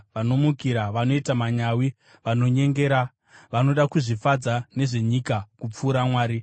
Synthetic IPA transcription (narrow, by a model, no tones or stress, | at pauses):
ʋano̞mukiɾaʋano̞itamaɲawi | ʋano̞ɲe̞ŋɡe̞ːɾa | ʋano̞ɗakuʐifad͡zane̞ʐe̞ɲikakup͡fuːɾamwaːɾi